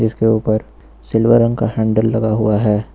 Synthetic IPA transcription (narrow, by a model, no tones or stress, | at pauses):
d͡ʒɪskeuːpəɾ | sɪlʋəɾə̃ŋɡkahɛ̃ːɳɖəlːɐɡaɦuaɦɛː